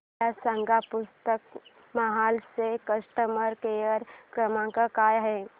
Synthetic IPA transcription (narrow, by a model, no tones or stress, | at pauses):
asə̃ŋɡapʊst̪ək̚ | mɐɦaːlsekəsʈəməɾkejəɾkɾəmãkakaːjɦɛː